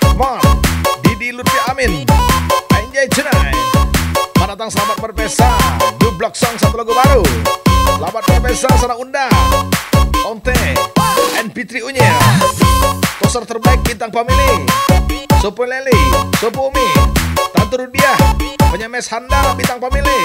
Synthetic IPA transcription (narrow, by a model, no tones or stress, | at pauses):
mɔt̪̚didilurpiaʔamɪn | aiɲd͡ʒait͡ʃunaj | madat̪aŋsəlabat̪̚pərpɛsadublɔksɔŋsat̪ulaɡubaɾusəlabat̪̚mərpɛsasanaunda | ɔnt̪ɛ | ɛnpit̪ɾiuɲa | t̪ɔsart̪ərbaɪk̚bint̪aŋpamili | sopolɛlisopumit̪ant̪uɾudiahpəɲamɛshandabint̪aŋpamili